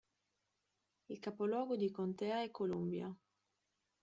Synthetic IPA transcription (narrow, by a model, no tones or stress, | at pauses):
ilkapolɔːɡod̪ikont̪ɛaɛkːolumbja̰